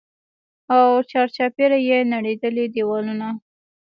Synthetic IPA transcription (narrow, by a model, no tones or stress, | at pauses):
awt͡ʃɑɾt͡ʃɑpeɾajenaɽed̪əlid̪iwɑluna